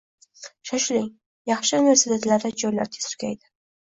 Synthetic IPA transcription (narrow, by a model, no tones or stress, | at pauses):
ʃaʃlɪŋ | jɑχʃɪneɾsɪd̪at̪laɾd̪ad͡ʒojla̰ɾt̪ʰe̥sɾkʲajd̪ɪ